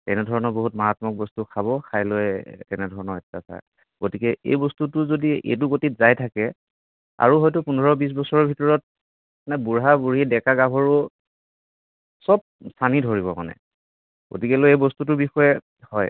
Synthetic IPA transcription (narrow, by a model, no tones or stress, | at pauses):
tɛnɛdʱɔɹɔnɔɹboɦutmaɹatmɔk̚bɔstukʰaβɔkʰajloɛtɛnɛdʱɔɹɔnɔɹɛtːasa̰j | ɡ̥otikɛḛjbɔstutʊzodiḛt̬uɡotitzajtʰakɛ | a̰ɹuɦɔjtʊpunɔɹɔbis̬bɔsɔɹɔbʱitɔɹɔt̚ | nabuɹɦabuɹidɛkaɡabʱɔɹʊ | sɔb̚stʰanidʱoɹiβɔma̰nɛ̰ | ɡ̥o̰tikɛloejbɔstut̬ʊbixɔjɛ | hɔj